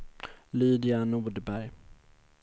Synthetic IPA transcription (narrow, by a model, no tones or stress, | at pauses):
liːd̪ɪanuːɖ̪əbæɾj